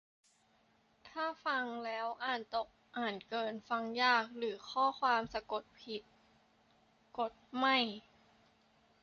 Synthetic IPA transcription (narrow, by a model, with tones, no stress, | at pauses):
t̪ʰaː˥˩fa˧ŋlɛː˦˥wʔaː˨˩nt̪o˨˩k̚ʔaː˨˩nkɤː˧nfa˧ŋjaː˥˩k̚ɾɯː˩˦kʰɔː˥˩kʰwaː˧msa˧ko˨˩t̪̚pʰi˨˩t̪̚ | ko˨˩t̪̚ma˥˩j